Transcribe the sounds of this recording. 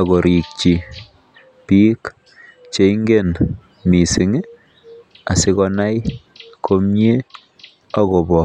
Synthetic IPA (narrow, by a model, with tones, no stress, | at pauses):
a˨ɣo˨ɾi˨k̚t͡ʃi˨ | pi˦k | t͡ʃe˦i˦ŋɡe˦˨n | mi˨si˨ŋ˦ | a˨sɪ˦kɔna˦jkʰo˦mɲe˦ | a˦kɔ˨bɔ˨